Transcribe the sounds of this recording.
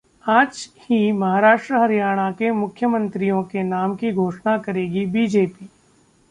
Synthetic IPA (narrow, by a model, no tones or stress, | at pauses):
aːd͡ʒhimɐɦaːɾaːʃʈɾəɦɐɾijaːɽ̃akemʊkʰjəmə̃nt̪ɾijõkenaːmkiɡʱoːʃnakɐɾeːɡibiːd͡ʒeːpiː